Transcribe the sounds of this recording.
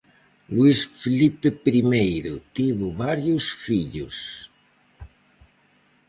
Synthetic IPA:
lwisfelipepɾimejɾʊt̪iβoβaɾjusfiʎṵs

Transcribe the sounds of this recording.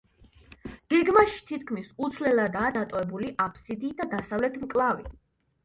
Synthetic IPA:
ɡ̥ɛɡmaʃi̥t̪ʰit̪̚ʰkʰmisut̪sʰlɛlˠad̪aːd̪at̪ʼɔɛbuliʔapʰsid̪iːd̪ad̪asavlɛt̪ʰmkʼlˠavḭ

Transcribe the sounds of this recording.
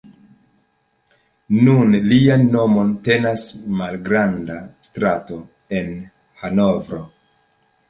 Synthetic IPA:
nunlianːo̞mo̞nte̞nasmalɡɾandastɾato̞ | e̞n | hano̞vɾo̞

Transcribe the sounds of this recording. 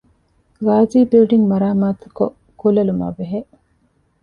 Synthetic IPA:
ɡaːziːbilɖiŋmɐɾaːmaːt̪u̥ko | kulɐluma̰ːbeɦe

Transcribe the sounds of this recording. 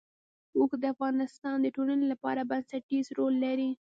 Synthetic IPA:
okd̪əafɣɑnɪst̪ɑnd̪əʈolanelapɑ̰ɾabansaʈizɾolːaɾi

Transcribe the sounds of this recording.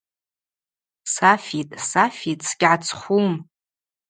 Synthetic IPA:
safitʼsafitʼsɡʲʕat͡sʰχʷum

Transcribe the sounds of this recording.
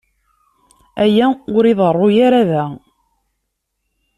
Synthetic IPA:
æjæʊɾiðˤərˤːʊjaɾaðæ

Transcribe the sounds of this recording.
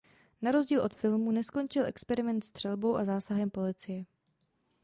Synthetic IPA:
naɾo̞zɟiːlʔo̞t̪fɪlmunɛsko̞nt͡ʃɪlʔɛkspɛɾɪmɛnt̪st̪r̥ɛlbo̞wʔazaːsaɦɛmpo̞lɪt͡sɪjɛ

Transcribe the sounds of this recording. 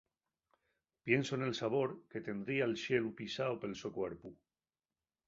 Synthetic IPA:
pje̞nsoenelsaβ̞o̞ɾket̪e̞nd̪ɾiaelʃe̞lupisaope̞lsokweɾpu

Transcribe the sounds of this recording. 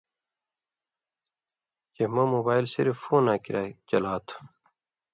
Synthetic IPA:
d͡ʑemɐmoːbaːilsiɾffoːnaːkiɾaːt͡ɕɐlaːt̪ʰu̥

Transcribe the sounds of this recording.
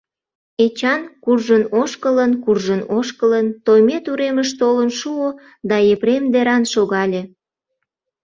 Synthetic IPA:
et͡ɕɑnkurʒənoʃkələnkurʒənoʃkələnt̪ojmet̪uɾeməʃt̪olənʃuo | d̪ɑepɾemd̪eɾɑnʃoɣɑlʲe

